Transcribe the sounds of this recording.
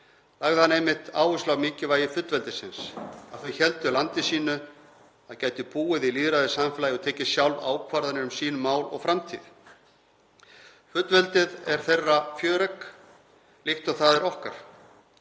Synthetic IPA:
laɣðhanejmːɪht̪a̰ːwʏslawmɪːcɪvaːjɪfʏt̪lvɛlt̪ɪsɪnsaðθœɥçɛlt̪ʏlant̪ɪsiːnʏ | aðcaːjt̪ʏpuːɪðiliːðɾaðɪsamfɪlajɔɣt̪ʰeːjcɪ̥sjawlva̰ːwkʰvaɾðanɪɾʏmsiːnʏmaːwlɔ̰ɣfɾamt̪ʰḭð | fʏt̪lvɛlt̪ɪðɛɾ̥θejrːafjœːɾɛk | lɪht̪ɔθaðɛɾɔhkaɾ̥

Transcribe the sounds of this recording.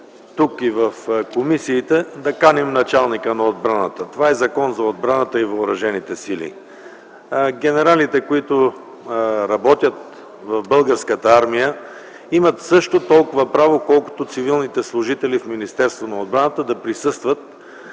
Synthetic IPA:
t̪ukivəfkomisiːt̪ɛd̪ɐkanimnɐt͡ʃalˠnikənɐod̪̚bɾanət̪ət̪ovaɛzɐkɔnzɐod̪bɾanət̪əivɐːɾɐʒɛnit̪ɛsilḭ | ɡʲɛnɛɾalit̪ɛkoit̪ʊ | ɾɐbɔt̪ʲjət̪̚ | vɐvbɤlˠɡəɾskət̪əaɾmijə | imət̪sɤʃt̪ot̪ɔlˠkʊvəpɾavokɔlˠko̥t̪ot̪sivilˠnit̪ɛslˠʊʒit̪ɛlifminist̪ɛɾst̪vonɐod̪̚bɾanət̪əd̪ɐpɾisɤst̪vət̪̚

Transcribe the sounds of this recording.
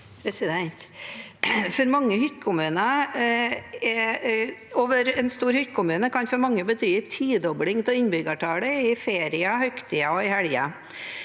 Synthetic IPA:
pʰɾɛsɪd̪ɛnt̪ | fɔɾmɑŋːəhʏt̪kʰʊmʉːnɑ | ɛ | oːʋəɾɛnst̪uːɾhʏt̪kʰʊmʉːnəkʰɑnfɔɾmɑŋːəbət̪ʰyːt̪ʰiːd̪ɔblɪŋt̪ɛɪnbʏɡɑʈʰɑːɽəɪfeːɾɪɑhœkt̪ʰɪɑɔɪhæɭjɑ̰

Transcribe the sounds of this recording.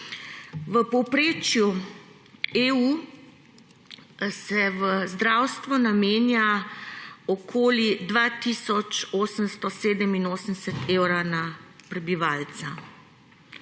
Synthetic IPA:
ʋəpɔpɾeːt͡ʃju | eu | sɛʋəzd̪ɾawst̪ʋɔnameːnja | ɔkʰoːlid̪ʋaːt̪isɔt͡ʃoːsəmst̪ɔseːd̪əminoːsənsɛt̪ewɾanapɾɛbiʋaːlt̪sa

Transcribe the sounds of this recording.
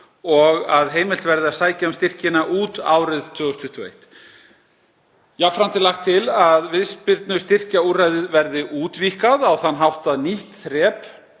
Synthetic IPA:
ɔɣaðɦeːjmɪl̥t̪vɛɾðɪaðsaːjcaʏmst̪ɪr̥cɪnaʔuːt̪a̰ːwɾɪðt̪ʰvʏːɣɔst̪ʰʏht̪uḛjht̪ | jafɾam̥t̪ɪlaxt̪ʰːɪlaðvɪðspɪɾt̪nʏst̪ɪr̥caurajðɪðvɛɾðɪʔuːt̪viːkaðawθanːɦawht̪aðniht̪θɾɛːp

